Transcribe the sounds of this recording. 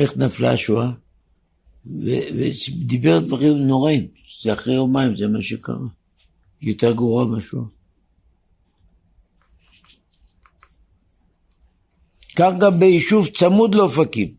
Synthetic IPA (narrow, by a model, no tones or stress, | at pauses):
eχnafla̰ʃua | vḛved̪ibeʁd̪vaʁimno̞ʁaim | z̥eaχʁejo̞maimzemaʃeka̰ʁa | jot̪eʁɡvoʁamaʃua | kaχɡambeiʃuvt͡samud̪lofakim